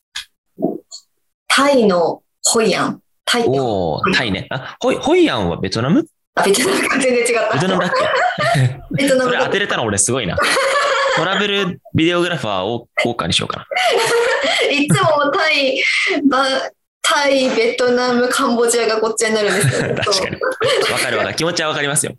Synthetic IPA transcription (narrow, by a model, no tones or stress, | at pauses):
t̪ʰaino̞ | hoiã̰ŋ | t̪ʰaitoet̪ʰainḛahoiho̞iãɰ̃βa̰be̞t̪onamɯ | abʲe̞t̪onamɯkazeñd͡zẽ̞ɲt͡ɕiɡat̪ːaet̪onamakː | bet̪onamɯɾeat̪eɾet̪anaoɾesɨɡo̞ina̰ | t̪o̞ɾabe̞ɾɯ̟ | bʲid̪e̞o̞ɡɯ̟ɾaɸɯa̰ːooːka̰ɲ̟iɕio̰ka̰na | itːamomot̪aiba | t̪ʰaibe̞t̪o̞namɯ̟kʰãmbo̞ʑiaɡako̞t͡ɕieɲinaɾɯ̟̃nd̪et̪aoɕika̰ɲ̟iβakaɾɯ̟βakakʲimo̞t͡ɕiβaβakaɾʲimasɨjo̰